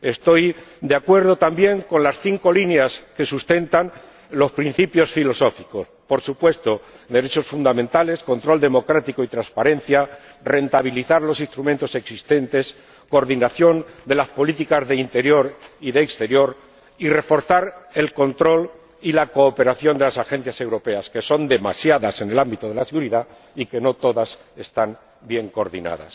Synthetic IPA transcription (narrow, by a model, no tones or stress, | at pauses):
e̞st̪o̞jd̪eakwe̞ɾðo̞t̪ambje̞ŋko̞nlasθiŋko̞linjaske̞sust̪e̞nt̪an | lo̞spɾin̟θipjo̞sfilo̞so̞fiko̞spo̞ɾsupwe̞st̪o̞ | d̪e̞ɾe̞t͡ʃo̞sfund̪amẽnt̪ale̞sko̞nt̪ɾo̞ld̪e̞mo̞kɾat̪iko̞it̪ɾanspaɾẽ̞n̟θja | re̞nt̪aβ̞iliθaɾlo̞sinst̪ɾumẽnt̪o̞se̞ksist̪e̞nt̪e̞s | ko̞ːɾðinaθjo̞nd̪e̞laspo̞lit̪ikazðe̞int̪e̞ɾjo̞ɾiðeːkst̪e̞ɾjo̞ɾ | ire̞fo̞ɾθaɾe̞lko̞nt̪ɾo̞l | ilako̞ːpe̞ɾaθjo̞nd̪e̞lasaxẽ̞n̟θjase̞wɾo̞pe̞aske̞so̞nd̪e̞masjaðase̞ne̞lambit̪oð̞e̞laseɣuɾiða | ike̞no̞t̪o̞ðas | e̞st̪an | bje̞ŋko̞ɾðḭna̰ða̰s